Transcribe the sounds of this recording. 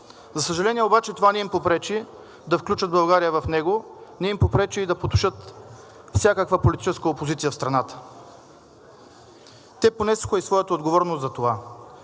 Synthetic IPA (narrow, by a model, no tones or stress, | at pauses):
zɐsəʒɐlɛniɛobat͡ʃɛt̪ovanɛimpopɾɛt͡ʃi | d̪ɐfklʲut͡ʃəd̪bɐlˠɡaɾijəvɐfnɛɡonɛimpopɾɛt͡ʃiːd̪ɐpot̪u̥ʃɤt̪ | fsʲjakəkvapolit̪i̥t͡ʃɛskəopozit̪sijəfst̪ɾɐnat̪ə̥ | t̪ɛponɛsu̥xəisvɔjət̪əod̪ɡovɔɾnost̪zɐt̪ova